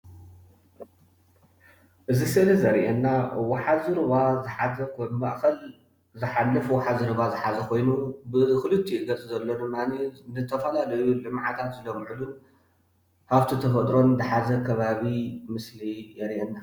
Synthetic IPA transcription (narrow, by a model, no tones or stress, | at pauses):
ʔɨzisɨlizɐɾʔɛnːawɔħazɨɾɨβazɨħazɐkʰonmaʔkɐl | zɨħalːɨfwɔħazɨɾɨβazɨħazɐkʰo̞jnubɨkɨlɨt̪ʰːiɡɐt͡sʼɨzɐlːo̞d̪ɨmːanizɨt̪ʰɐfɐlalɐjulɨmʕat̪ʰat̪zɨlɐmʕɨd̪u | haβt̪ʰit̪ʰɐfɐd̪ɾo̞nd̪ɨħazɐkʰɐβaβimɨslijɛɾʔenːa